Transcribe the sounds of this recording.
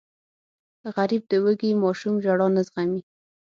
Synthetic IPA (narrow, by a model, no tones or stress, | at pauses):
ɣaɾib̚d̪əwəɡimɑʃumʒaɽɑnazʁami